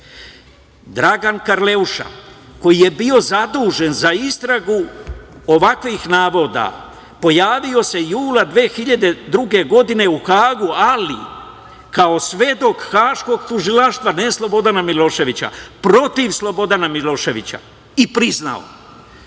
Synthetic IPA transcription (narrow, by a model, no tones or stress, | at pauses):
d̪ɾaɡankaɾle̞uʃa̰ | ko̞jije̞bio̞zad̪uːʒe̞nzaist̪ɾaɡu | o̞ʋakʋixnaːʋo̞d̪a̰ | po̞jaːʋio̞se̞juːlad̪ʋe̞ːxiʎad̪e̞d̪ɾuɡe̞ɡo̞d̪ine̞uxaːɡualḭ | kao̞sʋe̞d̪o̞kxaːʃko̞ɡt̪uʒilaʃt̪ʋaneslˠo̞bo̞d̪anamilo̞ːʃe̞ʋit͡ɕa̰pɾo̞t̪iʋslˠo̞bo̞d̪anamilo̞ːʃe̞ʋit͡ɕa̰ | ipɾizna̰o̰